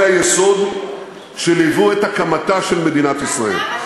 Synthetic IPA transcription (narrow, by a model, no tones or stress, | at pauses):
ajeso̞d̪ | ʃelivuet̪akamat̪aʃe̞lme̞d̪inat̪isʁaḛl